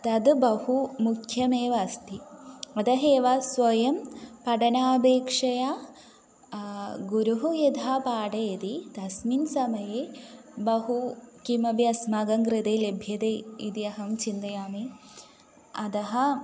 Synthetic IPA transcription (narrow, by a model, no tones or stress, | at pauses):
t̪ɐd̪bɐhumukʰjɐmeːʋast̪iɐd̪ɐɦeːʋasʋɐjɐmpɐʈɐnaːbeːkʂɐja | ɡuɾuɦujid̪ʱaːpaːʈɐid̪id̪ɐsminsɐmɐjeːbɐɦukimɐbijɐsmaɡɐŋɡɾit̪eːlebʱjɐd̪eːid̪iɐɦɐmt͡ʃind̪ɐjaːmeː | ɐd̪ɐɦɐ̆